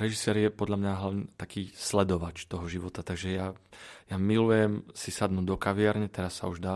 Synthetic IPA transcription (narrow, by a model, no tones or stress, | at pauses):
ɾɛʒisɛːɾjɛpɔd̪ʎamɲaɦlaʋɲɛt̪akiːslɛd̪ɔʋat͡ʃt̪ɔɦɔʒiʋɔt̪at̪aɡʒɛjajamilujɛmsisad̪nuːd̪ɔkaʋɪaɾɲɛt̪ɛɾasːa̰uʒd̪aː